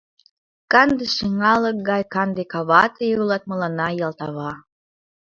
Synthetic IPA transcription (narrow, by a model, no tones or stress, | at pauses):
kɑnd̪eʃiŋɑlək̚ɡɑjkɑnd̪ekɑβɑt̪ejulɑt̪̚məlɑnɑjɑlt̪ɑβɑ